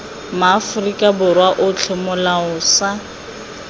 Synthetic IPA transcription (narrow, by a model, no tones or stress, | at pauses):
maːfʊrikʼabʊrwaʔʊt͡ɬʰɪmʊlaʊsa